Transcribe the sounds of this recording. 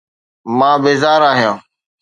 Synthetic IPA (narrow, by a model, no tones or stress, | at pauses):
mãːbeːzaːɾaːɦijãː